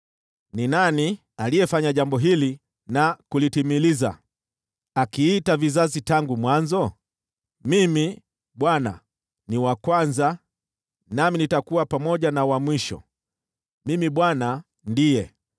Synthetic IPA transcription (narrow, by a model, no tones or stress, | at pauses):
ninani | alijɛfaɲaʄambɔɦili | nakulitimiliza | akiːtavizazitaŋɡumwanzɔ | mimi | ɓwana̰ | niwakwanza | naminitakuwapamɔʄanawamwiʃɔ̰ | mimiɓwana | ndijɛ